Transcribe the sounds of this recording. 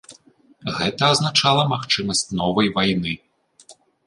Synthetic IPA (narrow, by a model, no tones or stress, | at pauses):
ɣɛt̪ɐːznat͡ʂalˠɐmaxt͡ʂɨmɐsʲt͡sʲnɔvɐjvajnɨ